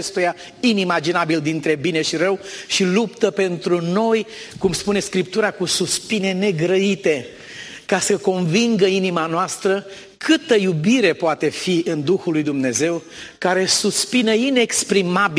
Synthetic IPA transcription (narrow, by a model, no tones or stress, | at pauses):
est̪uja | inimad͡ʒinabild̪int̪ɾe̞bine̞ʃiɾəwʃilupt̪əpe̞nt̪ɾuno̞jkumspune̞skɾipt̪uɾakususpine̞ne̞ɡɾəit̪e̞ | kasəko̞nviŋɡəinimanoast̪ɾə | kʰɨt̪əjubiɾe̞poat̪e̞fiɨnd̪uxulujd̪umne̞ze̞w | kaɾe̞suspinəine̞kspɾimabi